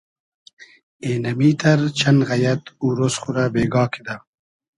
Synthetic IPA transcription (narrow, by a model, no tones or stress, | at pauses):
eːnɐmiːt̪ʰɐɾt͡ɕʰɐnɣɐjɐt̪uːɾosχuɾabeːɡɑːkʰid̪a